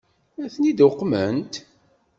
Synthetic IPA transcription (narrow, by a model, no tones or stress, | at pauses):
æθnid̪ʊqːmənt̪